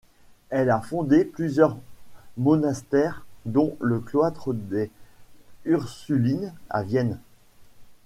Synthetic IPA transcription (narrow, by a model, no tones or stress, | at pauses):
ɛlafɔ̃d̪eplyzjœʁmɔnast̪ɛʁd̪ɔ̃ləkloat̪χəd̪e | yʁsylina̰vjɛn